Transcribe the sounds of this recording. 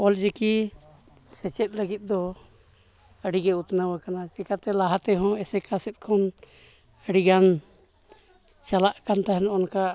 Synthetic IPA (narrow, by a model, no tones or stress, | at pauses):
ɔlɾɛki | sɛt͡ʃɛt̪̚ˀləɡit̪̚ˀd̪ɔ | əɽiɡɛut̪nawakanat͡ʃɛkat̪ɛlaɦat̪ɛɦɔ̃ɛsɛkʰasɛt̪̚ˀkʰɔn | əɽiɡan | t͡ʃalaʔkant̪aɦɛnɔɔnka